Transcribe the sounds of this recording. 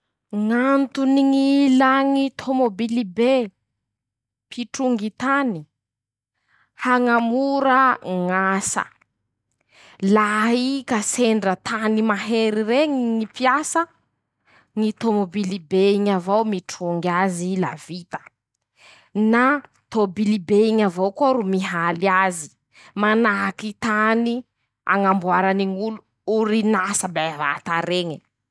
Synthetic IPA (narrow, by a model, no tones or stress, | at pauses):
ŋant̪uniŋilaŋit̪ʰomobilibe | pʰiʈ͡ʂuŋɡit̪ani | haŋamuɾəŋasə̰ | laɦikaseɳɖ͡ʐət̪animaɦeɾiɾeɲiŋipiasə | ŋit̪omobilibeiɲavowmiʈ͡ʂuŋɡazila̰vit̪ə̥ | na | t̪obilibeiɲavowkoɾumiɦalazi̥ | manakit̪ani | a̰ŋambuaɾaniŋulu | uɾinasəbava̰t̪aɾeɲi